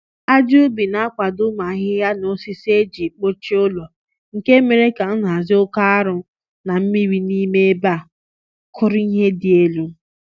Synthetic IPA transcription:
a˦d͡ʒu˦bi˨na˨˦a˦kʷa˨dʊ˦ma˨˦ɦɪ˦ja˦no˨si˦se˦d͡ʒi˨k͡po˦t͡ʃi˦ʊ˦lɔ˨ | ŋ̩˨ke˦me˨ɾe˦ka˨n̩˦ɦa˨zɪ˦ʊ˦ka˦a˦ɾʊ˨ | na˨m̩˦mi˦ɾi˦ni˦me˦ba˦˨ | kʰʊ˦ɾʊ˦i˦ɦe˦dɪ˨e˦lu˦

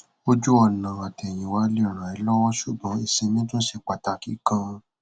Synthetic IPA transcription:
o˦d͡ʒu˦ɔ˦˨nã˨a˨tɛ˨j̃ĩ˨wa˨˦le˦˨ɾ̃ã˨i˧˦lɔ˦wɔ̃˦ʃu˦˨ɡ͡bɔ̃˨˦e˨sĩ˧nĩ˦tũ˦ʃe˧˨k͡pa˨ta˧ki˦kã˧

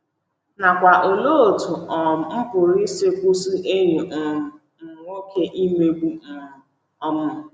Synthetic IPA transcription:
na˨kʷa˨ʔo˨lo˦o˨tu˨ɔ˨m̩˦kʊ˨ɾi˦se˦kʷu˦su˦ʔe˦ɾe˨ʔ̩˨ | ŋo˦kʰe˦ʔi˦me˦ɡ͡bu˦˨ | ɔ˦mʊ˦˨

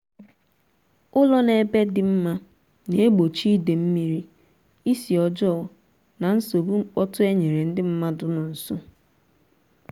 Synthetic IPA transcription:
ʊ˦lɔ˦ne˨be˦dɪ˨m̩˦ma˦ | ne˨e˦ɡ͡bo˨t͡ʃi˦i˦de˨m̩˦mi˦ɾi˦ | i˦si˨ɔ˨d͡ʒɔ˦˨ | na˨n̩˦so˨bu˦ŋ͡m̩˦k͡pɔ˦tʊ˦e˦ɲe˨ɾe˨n̩˦dɪ˦m̩˦ma˦dʊ˨nʊ˨n̩˨su˦

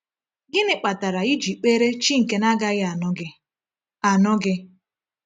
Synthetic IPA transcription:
ɡɪ˦nɪ˨k͡pa˨ta˨ɾa˨i˦d͡ʒi˨k͡pe˦ɾe˦t͡ʃi˦ŋ̩˨ke˨na˦ɡa˦ɣɪ˦a˨nʊ˦ɡɪ˦ | a˨nʊ˦ɡɪ˦

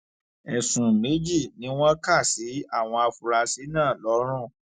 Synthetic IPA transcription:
ɛ˨sũ˨mẽ˨˦d͡ʒi˦˨nĩ˨˦w̃ɔ̃˦ka˦˨si˨˦a˦˨w̃ɔ̃˧a˧fu˨ɾa˧si˨˦nãː˦˨lɔ˨˦ɾ̃ũ˦˨

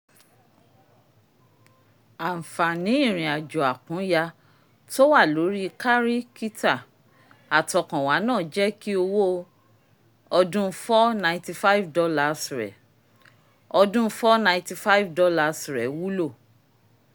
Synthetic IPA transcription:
a˨m̩˨fa˨nĩ˨˦ĩ˦˨ɾ̃ĩ˨a˨d͡ʒɔ˨a˨kũ˨˦ja˧ | to˦wa˦˨lo˨˦ɾi˦ka˦ɾi˦ki˦ta˦˨ | a˨tɔ˨kã˨wa˨˦nãː˦˨d͡ʒɛ˦ki˦o˧wo˦˧˦ | ɔ˧dũ˦fɔ˦nã˧ĩ˧ti˧fa˦i˦vdɔ˧la˧˨si˨ɾɛ̰˨ | ɔ˧dũ˦fɔ˦nã˧ĩ˧ti˧fa˦i˦vdɔ˧˦la˦˧si˨ɾɛ˨wu˦lo˦˨

